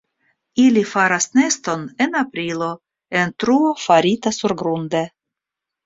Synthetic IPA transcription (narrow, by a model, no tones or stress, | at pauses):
ilifaɾasne̞st̪o̞ne̞napɾilo̞ | e̞ntɾuofaɾitasuɾɡɾund̪e